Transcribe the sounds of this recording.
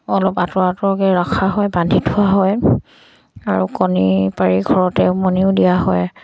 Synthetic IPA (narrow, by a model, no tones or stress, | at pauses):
ɔlɔpatɔɹatɔɹɔkɛɹakʰaɦɔjbandʱitʰuaɦɔj | a̰ɹukɔnipaɹiɡʱɔɹɔtɛʊmɔniʊdijaɦɔ̰j